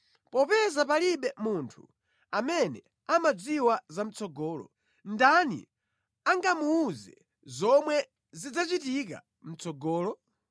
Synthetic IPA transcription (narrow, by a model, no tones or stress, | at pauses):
pɔpɛzapaliɓɛmuntʰu | amɛnɛ | amad͡ziwazam̩t͡sɔɡɔːlɔ̰ | ndanḭ | aŋɡamuːzɛ | zɔmwɛ | zid͡zat͡ʃitik̬a̰ | m̩t͡sɔɡɔːlɔ